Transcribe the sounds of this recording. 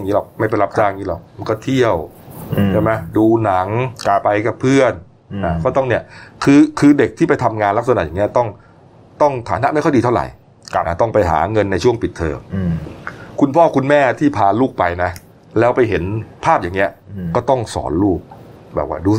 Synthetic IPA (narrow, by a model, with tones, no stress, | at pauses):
ŋiː˦˥lɔ˨˩k̚ma˥˩jpa˧jla˦˥p̚t͡ɕaː˧˩ja˨ŋːiː˦˥lɔ̰˨˩k̚ma˧nkɔː˥˩t̪ʰi˥˩əw | t͡ɕʰa˥˩ma˦˥jduː˧na˩˦ŋ˧pa˧jka˨˩pʰɯ˥˩ən | a˧˩kʰɔː˥˩t̪ɔ˥˩ni˥˩əkʰɯː˧kʰɯː˧de˨˩k̚t̪ʰiː˥˩pa˧jt̪ʰa˧mŋaː˧nla˦˥k̚sa˧na̰˨˩jaː˨˩ni˦˥ɐ˧t̪ɔ˥˩ŋ | t̪ɔ˥˩ŋt̪ʰaː˩˦na˧˥ʔma˥˩jkʰɔ˥˩diː˧t̪ʰwɾa̰˨˩jʰ | ʔa˧˩t̪ɔ˥˩ŋpa˧jɦa̰ː˩˦ŋɤ˧nːa˧jt͡ɕʰu˥˩əŋpi˨˩t̪ʰːɤ̰ː˧m | kʰu˧npʰɔː˥˩kʰu˧nmɛː˥˩t̪ʰiː˥˩pʰaː˧luː˥˩k̚pa˧jna˦˥ | lɛː˦˥wpa˧jɦe˩˦npʰaː˥˩p̚jaː˨˩ŋːni˦˥ɐkɔː˥˩t̪ɔ˥˩ŋsɔ̰ː˩˦nluː˥˩k̚bɛ̰ː˨˩k̚wa̰ː˥˩duː˧